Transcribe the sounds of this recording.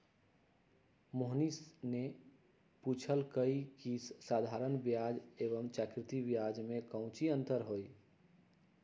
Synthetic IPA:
moɦnisne | put͡ʃʰəlkəikissad̪ʱaɾənbjad͡ʒeβəmt͡ʃakɾɪt̪ibjad͡ʒmekə̃ʊ̃t͡ʃiənt̪əɾɦoj

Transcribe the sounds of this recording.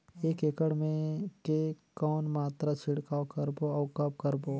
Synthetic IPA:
eːkekəɽmẽkekɔːnmaːt̪ɾat͡ʃʰɪɽkaːkɐɾboɔːkɐb̚kəɾboː

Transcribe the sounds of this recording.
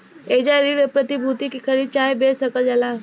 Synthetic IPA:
ed͡ʒaɾiɽəpɾət̪ibʱut̪ikikʰəɾit͡ʃaːjbesəkəld͡ʒala

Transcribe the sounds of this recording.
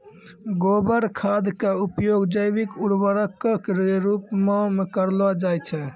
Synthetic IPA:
ɡobəɾkʰad̪keupjoɡd͡ʒəjbikuɽbəɾəkːəkɾeɾupmemekəɾlɔd͡ʒajt͡ʃʰɛ

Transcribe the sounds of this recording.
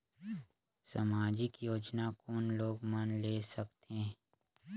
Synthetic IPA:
samaːd͡ʒɪkjoːd͡ʒnakɔːnloːɡmənleːsəkt̪ẽː

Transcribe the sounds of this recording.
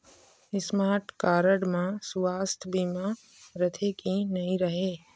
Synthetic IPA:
ɪsmaːɾʈkaːɾəɽmãsʋaːst̪ʰəbimã | ɾət̪ʰekinɐɦĩɾəɦeː

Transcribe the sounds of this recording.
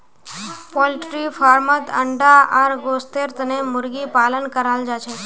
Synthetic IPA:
pɔlʈɾifaɾmət̪ʰə̰ɳɖaʔaɾɡost̪eɾt̪nemʊɾɡipalənkəɾald͡ʒat͡ʃʰe

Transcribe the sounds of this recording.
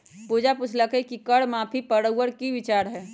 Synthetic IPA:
puːd͡ʒaput͡ʃʰləkekikəɽmãːpʰipəɽəuwəɾkiʋɪt͡ʃaːɾɦɛː

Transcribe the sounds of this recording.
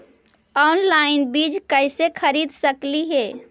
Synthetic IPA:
ɔnlaɪnbid͡ʒkəɪsekʰəɾid̪səkliɦe

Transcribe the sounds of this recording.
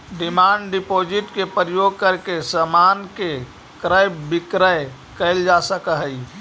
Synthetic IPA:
ɖimaɳɖɖipod͡ʒiʈkepɾəjoɡ̚kəɾkesəmanke | kɾəjbikɾəj | kəɪld͡ʒasəkəɦəi

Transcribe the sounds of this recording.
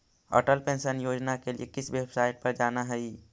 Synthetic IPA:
ɔ̰ːʈəlpẽnʃənjoːd͡ʒnakelḭekɪsʋebsaːɪʈ̚pɐɾd͡ʒaːnaɦɛi

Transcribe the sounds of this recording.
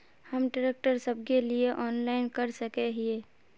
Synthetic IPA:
həmɖəɾeːk̚ʈəɾsəb̚kelieʔɔːnlaːɪnkəɾsəkeɦieː

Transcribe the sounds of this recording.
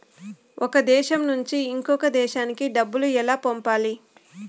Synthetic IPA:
ʔɔkɐd̪ɛːʃɐmnuɲt͡ʃiːŋkɔkɐd̪ɛːʃaːnikiɖɐbːuluɛlaːpompaːli

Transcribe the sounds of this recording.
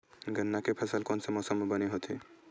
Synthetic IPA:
ɡənːakepʰəsəlkonsə̃mɔsəmːebəneɦot̪ʰi

